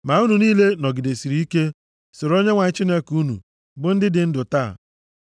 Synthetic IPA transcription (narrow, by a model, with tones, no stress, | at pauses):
ma˨u˦nu˨niː˦le˦nɔ˨ɡɪ˨de˨si˨ɾi˨˦i˦ke˦ | so˨ɾo˦ɲe˦ŋʷa˨ɲ˦t͡ʃi˦ne˦ku˦nṵ˨ | bʊ˦n̩˦dɪ˦dɪ˨n̩˦dʊ˨ta̰ː˦˨